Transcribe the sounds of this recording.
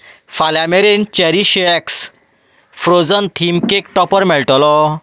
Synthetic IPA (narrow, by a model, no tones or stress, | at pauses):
falameɾent͡ɕɛɾiɕeɛks | fɾod͡zənt̪ʰimkekʈɔpəɾmɛɭʈɔlɔ